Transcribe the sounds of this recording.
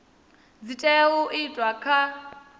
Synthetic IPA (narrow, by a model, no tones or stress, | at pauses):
d͡zitʼɛuʔitʼwakʰa